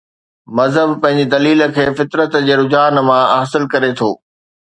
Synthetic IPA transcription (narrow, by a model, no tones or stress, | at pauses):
mɐzɦəbpɐ̃ɦɪ̃ɲ̆d͡ʑid̪ɐliːlə̆kʰeːfɪt̪ɾət̪d͡ʑeːɾʊd͡ʑaːnmãaːsɪlkɐɾet̪ʰoː